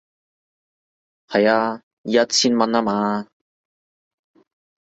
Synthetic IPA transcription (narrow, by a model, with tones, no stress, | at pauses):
hɐ˨jaː˧˨ | a˧t̚t͡sʰiː˧˥nmɐ˧naː˥maː˧